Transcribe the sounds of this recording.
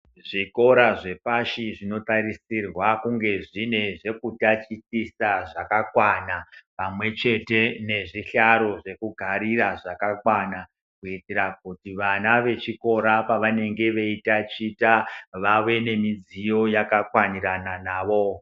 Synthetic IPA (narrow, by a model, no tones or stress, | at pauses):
ʐiko̞ɾaʐe̞paʃiʐino̞tarisirwakuŋɡe̞ʐine̞ʐe̞kutat͡ʃitisaʐakakwanapamwe̞t͡ʃe̞te̞ne̞ʐiɬaɾo̞ʐe̞kuɡʱaɾiraʐakakwana | kuitiɾak̚utiʋanaʋe̞t͡ʃiko̞ɾapaʋane̞ŋɡe̞ʋe̞itat͡ʃitaʋawe̞ne̞mid͡zijo̞jakakwaniɾananaːʋo̞